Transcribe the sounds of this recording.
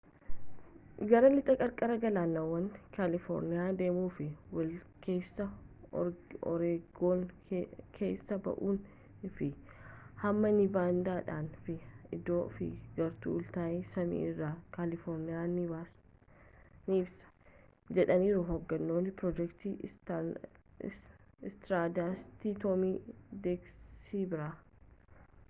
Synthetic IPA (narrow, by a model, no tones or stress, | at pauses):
ɡɐɾɐlɪt̪ʼɐkʼɐɾkʼɐɾɐɡɐlaːnːɐwːɐŋkaːlɪfɔ̰ːɾnɪjaːd̪e̞ːmuːfɪwɐl | kʰe̞ːsːɐ | ɔ̰ɾeːɡoːn | kʰe̞̰ːsːɐbɐ̰ʔuːn | fɪ | hɐmːɐnɪbaːnd̪aːᶑa̰ːnfɪɪd̪o̞ːfɪ̰ɡɐɾt̪ṵːlt̪aːʔesɐmḭːɪrːaːkalɪfɔɾnɪjaːnɪbaːs | nɪɪbsɐ̥ | d͡ʒɛᶑɐniːɾʊɦɔɡːɐnːo̞ːnːɪpɾɔd͡ʒɛkt̪iː | st̪ɾaːd̪aːst̪it̪omiːd̪eːɡsiːbɪɾaː